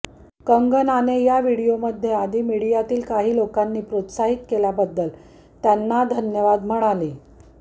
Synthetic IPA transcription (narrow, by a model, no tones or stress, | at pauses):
kəŋɡənanejaʋiɽijoməd̪ʱːjead̪ʱiːmiɽijat̪iːlkaɦiːlokanːiːpɾot̪saɦit̪kelabəd̪ːəl | t̪janːad̪ʱənjəʋad̪m̤əɽaliː